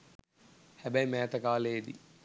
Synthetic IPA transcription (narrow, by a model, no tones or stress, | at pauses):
hæbæjmæːt̪əkaːled̪ḭ